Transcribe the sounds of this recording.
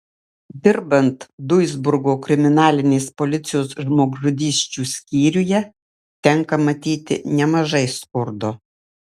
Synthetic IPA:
d̪ʲɪɾbɐnt̪d̪ʊjzbʊɾɡoːkɾʲɪmʲɪnɑːlʲɪnʲeːspɔlʲɪt̪sʲɪjoːsʒmoːɡʒʊd̪ʲiːsʲt͡ʃʲuːsʲkʲiːɾʲʊjɛ | t̪ʲɛŋkɐmɐt̪ʲiːt̪ʲɪ̰nʲɛmɐʒɐɪskʊɾd̪o

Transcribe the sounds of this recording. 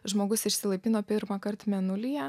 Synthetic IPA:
ʒmoːɡʊsɪʃʲsʲɪlˠɐɪpʲiːnoːpʲɪɾmɑkɐɾt̪mʲɛnʊlʲijɛ

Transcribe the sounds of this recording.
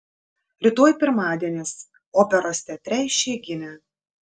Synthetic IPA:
ɾʲɪt̪oːjpʲɪɾmɑːd̪ʲiɛnʲeːs | oːpʲɛɾoːsʲt̪ʲɛt̪ʲɾʲɛɪʃʲeːɡʲɪmʲɛ

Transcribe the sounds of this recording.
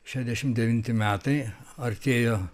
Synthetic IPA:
ʃʲæd̪ʲæʃʲɪmd̪ʲɛʋʲɪnʲt̪ʲɪmʲæːt̪ɐɪɐɾʲt̪ʲeːjoː

